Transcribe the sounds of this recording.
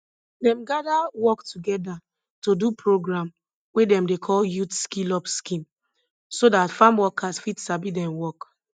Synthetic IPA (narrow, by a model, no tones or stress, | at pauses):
dɛ̃mɡadawɔktuɡɛda | todupʰɹoɡɹãm | wedɛ̃mdekʰɔljutskilɔpskĩn | sodatfãmwɔkʰasfitsabidɛ̃mwɔk